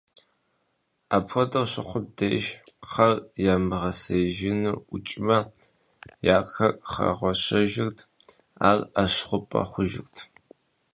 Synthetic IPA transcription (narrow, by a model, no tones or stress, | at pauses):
apʰxʷɔdɐwɕɪχʷʊb̚deːʃχɐrjaːmɨʁɐseʒɪnɨʊt͡ʃʼɪmɐ | jaːkɐkʼχɐ̰ʁʷɔɕɐʒɪrtʰ | aːraɕχʷʊpʼɐ̰χʷʊʒɪ̰rtʰ